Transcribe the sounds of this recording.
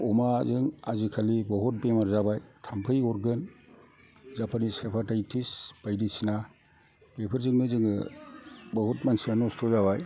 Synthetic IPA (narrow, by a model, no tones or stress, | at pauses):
ɔmazɯŋazikʰalibɔɦɔt̚bemaɾzabajtʰampʰɯjɔɾɡɯn | zapʰanisepʰatajtʰisb̥ajdisina | bepʰɐɾzɯŋnɯzɯŋɯ | bɔɦɔtmansianɔstʰɔzaβaj